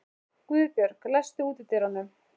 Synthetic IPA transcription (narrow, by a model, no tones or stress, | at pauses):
kiːðɾpjœɾklɛst̪ʏuːt̪ɪt̪ʰɪɾanːʏ